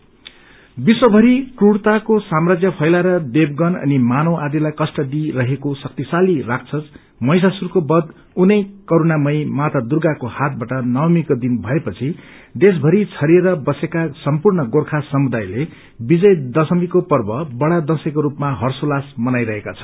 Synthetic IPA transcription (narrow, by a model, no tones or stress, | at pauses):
biswʌbʱʌɾikruɽt̪akosamrad͡zjʌpʰʌjlaɾʌd̪eb̚ɡʌnʌ̰nimanowʔad̪ilajkʌsʈʌd̪iɾʌɦekosʌk̚t̪isalirak̚t͡sʰʌt͡s | mʌjs̬asurkobʌd̪ | unʌjkʌɾunamʌjmat̪ad̪urɡakohat̪̚baʈʌnʌwmikod̪inbʱʌepʌt͡sʰi | d̪es̬bʱʌɾit͡sʰʌɾieɾʌbʌsekasʌmpurɳʌɡorkʰasʌmud̪ajle | bid͡zʌjd̪ʌsʌmikopʌrbʌbʌɽad̪ʌsekoɾupmaɦʌrsolasmʌnajɾʌɦekat͡sʰʌ̥